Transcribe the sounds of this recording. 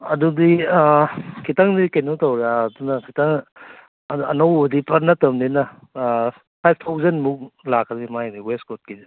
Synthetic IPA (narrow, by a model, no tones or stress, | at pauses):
ɐdudi | kʰitaŋdikejnotawɾaːdunɐkʰitaŋ | ɐnowodipɐɾnɐtɐmdinɐ | pʰajb̚ʰtʰawzenmuk̚lakʰːɾimajdiweskot̚kidi